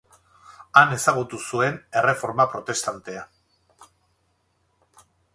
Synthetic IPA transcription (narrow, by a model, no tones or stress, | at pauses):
ane̞saɣut̪usue̞ne̞re̞fo̞ɾmapɾo̞t̪e̞st̪ant̪e̞a